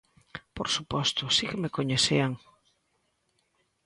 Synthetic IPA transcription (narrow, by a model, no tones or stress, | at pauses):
poɾsupɔst̪ʊsikemekoɲeθeaŋ